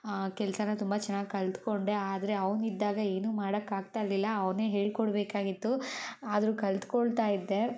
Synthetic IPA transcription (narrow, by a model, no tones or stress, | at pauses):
kɛlsɐnɐt̪umbɐt͡ʃɛnːaːɡkɐlt̪ko̞ɳɖeaːd̪ɐɾe̞ɐʋnid̪ːaːɡɐe̞ːnuːmaːɽɐkːaːɡ̚t̪aːjɾlilːɐːʋne̞ːɦe̞ːɭkɔɽbeːkaːɡit̪ːuaːd̪ɐɾuːkɐlt̪koɭt̪aːjid̪ːe̞